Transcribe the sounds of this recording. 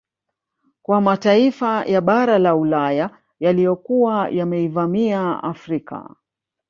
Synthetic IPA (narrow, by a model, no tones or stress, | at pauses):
kwamataifajʔaɓaɾalaulaja | jalijɔkuwajamɛivamiaa̰fɾika̰